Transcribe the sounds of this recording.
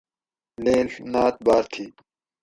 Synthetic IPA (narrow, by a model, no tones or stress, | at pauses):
leːnaːt̪̚baːɾt̪ʰiː